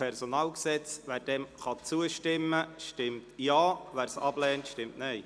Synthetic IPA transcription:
ɛrsonɑːlksɛt͡sʋæːɾd̥ɛmχɑt͡suəʃtɪmːəʃtɪmtjɑːʋæːɾsɑb̥lɛːntʃtɪmtnɛɪ

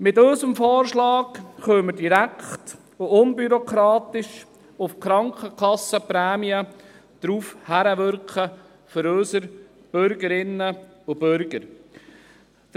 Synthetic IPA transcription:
mɪtɵʏsəmfɔːɾʃlɑːkχøːmədiɾækχt | ʊʔʊnbyɾɔkɾɑːt̪ɪʃ | ʊfkɾɑŋkχəkʰχɑsəpɾæːmiə | d̥ɾuːfhæɾəʋʏɾkχə | føɾøsəɾ | b̥øɾɡəɾɪnːə | ʊbøɾɡəɾ

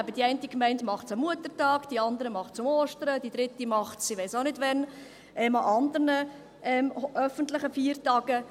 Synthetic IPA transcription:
æbəd̥iɛɪntikmɛɪndmɑχtsəmuətəɾtɑːkd̥iɑnd̪əɾəmɑχtt͡sʊmoːʃtəɾəd̥id̥̪ɾɪtimɑχtsiʋɛɪsonɪdʋɛn | ɛmɑʔɑnd̪əɾnə | ʔɛmʔœfəntlɪχəfiːəɾtɑːɡə

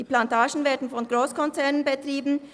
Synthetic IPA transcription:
iːplantʰaːʒn̩veːɐdn̩fɔnɡʁoːskʰɔnt͡sɛɐnənbətʁ̥iːbn̩

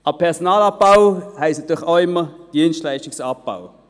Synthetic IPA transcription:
ɑpʰɛʁsɔnaːlɑp̚b̥awhɛɪstnɑt̪yːxaʊɪmːəd̥iənʃtlaɪʃtɪksap̚b̥a̰w

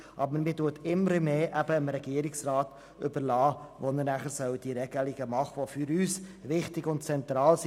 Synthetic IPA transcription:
ʔɑbəɾmituətɪməɾəmeːʔæbəɪmɾɛɡiəɾɪksrɑːt | ʏbəɾlɑːvonəɾnæχəɾsœʊd̥iɾɛɡəlɪɡəmɑχvoːfyɾyːsvɪχtɪɡʊntt͡sɛntrɑːls

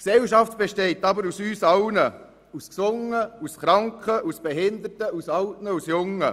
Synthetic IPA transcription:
ksɛwʃɑft̚b̥eʃtɛɪtɑbəɾusyːsɑʊnə | usksʊŋəusχɾɑŋkχəʔusb̥ɛɦɪnd̪ətəusɑwtnəusjʊŋːə

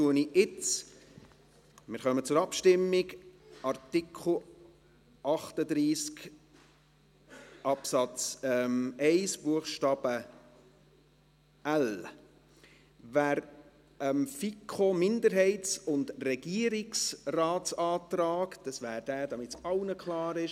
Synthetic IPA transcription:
tuəniʔɪt͡s | mɪɾχœmət͡sʊɾɑpʃtɪmːɪɡʔɑrtɪkʰl̩ | ʔɑχtəd̪ɾiːsk | ɑpsɑt͡sɛmɛɪsb̥uəχʃtɑːb̥ə | æl | væːɾ | ɛmfikʰχomɪndəɾɦɛɪtsʊndrɛɡ̥iəɾɪksraːtsɑːtɾɑːkd̥ɑsvæːɾd̥æːd̥ɑmɪtsɑlnəkʰlɑːɾɪʃ

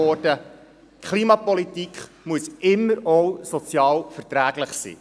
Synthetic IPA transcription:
ɔɾdə | kʰχliːmɑpɔlitikʰ | muəsʔɪmːəɾɔwsɔt͡sjɑːlfərtɾæːɡ̥ləχsḭː

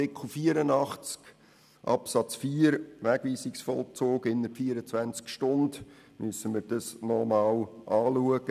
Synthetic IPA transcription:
ɪkχlufiːəɾənɑχt͡sk | ʔɑ̰psɑt͡sfiːəɾʋæɡ̥ʋiːsiksfɔlˠt͡soːɡɪnːəfiːəɾət͡sʋænt͡skʃtʊnd | mysəməɾd̥ɑsnɔmɑːwʔɑːluəɡə

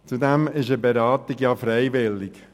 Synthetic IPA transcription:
t͡sudɛmɪʃəbeɾɑːt̪ɪɡjɑfɾɛɪʋɪlɪk

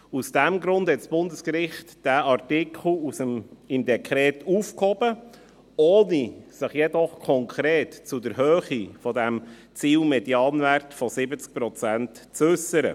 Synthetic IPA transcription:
usd̥ɛmɡɾʊnd̥hɛtsb̥ʊndəskɾɪχtd̥æʔɑrtɪkʰl̩usəmɪmd̪ɛkʰɾɛːtufkhɔb̥ə | oːnisəχjɛdɔχkʰɔŋkʰɾeːtt͡sudəɾɦøːχifɔdæm | t͡siːlmɛdjɑːnværtfɔsɪbət͡sk̚pɾɔt͡sæntt͡sʏsəɾə̰

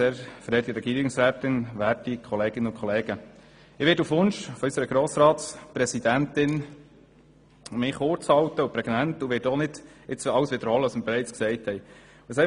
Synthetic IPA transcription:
ɛɾfɾɛːtiɾɛɡiːɾɪŋsɾæːt̪ɪnʋæːtikʰɔleːɡ̥ɪnəʊnkχɔleːɡə | ɪʋɪːɾtufʋʊnʃfɔysəɾəɡ̥ɾɔːsɾɑːtspɾɛsid̥̪ænt̪ɪn | mɪχʊɾt͡shɑwt̪əupɾɛɡnæntuʋɪːtɔnɪd̥ɪt͡sɑwəsʋɪd̪əɾhɔlːəɑsməɾbɛɾɛɪt͡sksɛɪthɛɪj | əsɛɪ

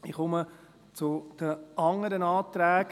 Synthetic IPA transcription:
iχʊmə | t͡sʊd̪̥əʔɑŋəɾənɑːt̪ɾæːɡ

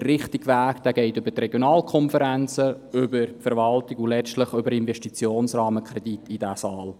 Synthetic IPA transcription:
ɾɪχtɪɡʋæːkd̥̪æɡɛɪtʏbətrɛɡjonɑːlkʰɔnfəɾænt͡sə | ʏbəɾfəɾʋɑltɪkulɛt͡ʃtləχʏbəɾɪnvɛʃtit͡sjoːnsrɑːməkʰɾɛd̥itid̥æsɑːl

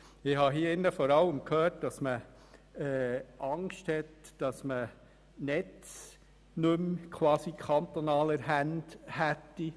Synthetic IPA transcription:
ɪhɑɦiɪnːəfɔɾɑləmkʰhøːɾt̚d̥ɑsmə | ɛːʔɑŋʃthɛtd̥ɑsmə | nɛt͡s | nɵmkʰwɑːsikʰɑnt̪ɔnɑːləɾɦænd̥hætːi

